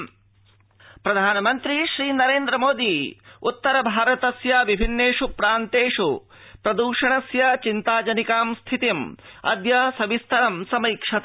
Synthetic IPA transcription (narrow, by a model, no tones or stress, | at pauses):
pɾɐd̪ʱaːnɐmɐnt̪ɾiʃɾiːnɐɾeːnd̪ɾɐmoːd̪iut̪ːɐɾɐbʱaːɾɐt̪ɐsjɐʋibʱinːeːʂupɾaːnt̪eːʂu | pɾɐd̪uːʂɐɳɐsjɐt͡ʃint̪aːd͡ʒɐnikaːmst̪ʰit̪imɐ̰d̪jɐsɐbist̪ʰɐɾɐmsɐmɐikʂɐt̪